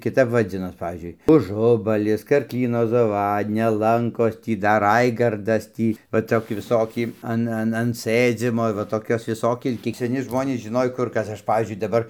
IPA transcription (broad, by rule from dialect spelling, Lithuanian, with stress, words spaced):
kʲɪˈtɐp ʋɐˈd͡zʲɪnoːs ˈpɑːʋʲiːzʲd͡ʒʲʊɪ ʊˈʒʊbɐlʲɪs kɐrkˈlʲiːnoː zɐˈʋɑːdʲnʲɛ ˈlˠɐŋkoːs ˈtʲiː dɐr ˈrɐɪɡɐrdɐs ˈtʲiː ʋɐ ˈtoːkʲɪ ʋʲɪˈsoːkʲɪ ˈɐn ˈɐn ɐn ˈsɘd͡zʲiːmoː ʋɐ toːˈkʲoːs ʋʲɪˈsoːkʲɪ ˈkʲiɛk sʲɛˈnʲɪ ˈʒmoːnʲeːs ʒʲɪˈnoːj ˈkʊr ˈkɐs ˈɐʃ ˈpɑːʋʲiːzʲd͡ʒʲʊɪ dɐˈbɐr